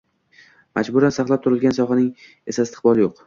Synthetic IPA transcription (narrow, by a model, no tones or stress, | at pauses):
mʔad͡ʒbʊɾansaχlˠap̚t̪ʰʊɾɪlɡʲansɒχɑnɪŋ | e̞saɪst̪ʰɪ̥χbɒlˠɪjoq